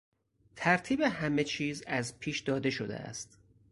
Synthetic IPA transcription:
t̪ʰæɾt̪ʰiːbe̞hæme̞t͡ʃʰiːzæzpʰiːʃd̪ɒːd̪e̞ʃo̞d̪ḛʔæ̰st̪

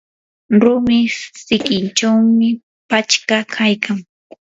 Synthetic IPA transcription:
ɾʊmɪsɪkɪnt͡ʃawmɪ | pat͡ʃkakʰajkʰaŋ

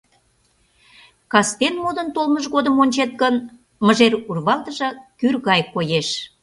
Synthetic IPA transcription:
kɑst̪enmod̪ənt̪olməʒɣod̪əmonʲt͡ɕet̪̚kən | məʒerurβɑlt̪əʒɤ̆kyrɣɑjkojeʃ

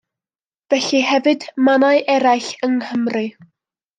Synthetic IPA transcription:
vɛɬiɦɛvɨdmanaɨʔɛɾajɬəŋhəmrɨ

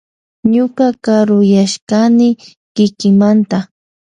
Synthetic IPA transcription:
ɲʊkakaɾʊjaʃkanɪ | kɪkɪŋmant̪a

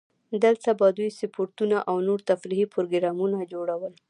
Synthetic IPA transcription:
d̪əlt̪abɑd̪ujsɪpʰoɾt̪unaʔawnoɾt̪afɾihipɾoɡɪɾɑmunad͡ʒoɽawəl

